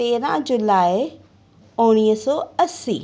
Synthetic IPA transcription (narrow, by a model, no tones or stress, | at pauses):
t̪eːɾã̰ːd͡ʒʊlaːe | ʊniəsɔːəsːḭː